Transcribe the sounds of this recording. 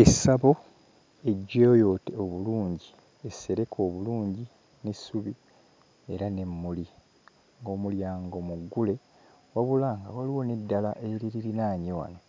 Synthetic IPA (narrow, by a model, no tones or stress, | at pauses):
esaβo̞ | e̞ɟːejo̞teoβuluːɲɟi | esːe̞ɾe̞kʰo̞ːβuluːɲɟi | nesuβi | e̞ɾane̞mːuli | ŋɡo̞ːmuljaːŋɡo̞muɡːule̞ | waβulaːŋɡawaliwo̞ne̞dːalaʔe̞ɾiɾiɾinaːɲewa̰no̞